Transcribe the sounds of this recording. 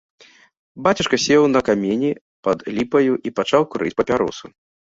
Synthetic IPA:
bat͡sʲɐʂkɐsʲɛwnɐkamʲeɛnʲi | pɐd̪lʲipɐjuʔipat͡ʂawkuɾʔɨ̰t͡sʲpɐpʲaɾɔ̰su

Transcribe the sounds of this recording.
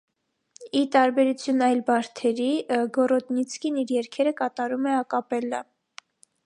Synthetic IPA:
it̪ɑɾbɛɾut͡sʰjunɑjlbɑɾt̪ʰɛɾiɡɔrɔt̪nit͡sʰkiniɾjɛɾkʰɛɾəkɑt̪ɑɾumɛɑkɑpɛlːɑ

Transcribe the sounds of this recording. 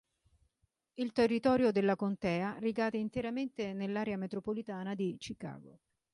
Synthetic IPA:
ilt̪erːit̪ɔːɾjod̪elːakont̪ɛːariɡaːd̪eint̪eɾament̪enelːaːɾeamet̪ɾopolit̪aːnad̪it͡ʃika̰ːɡo

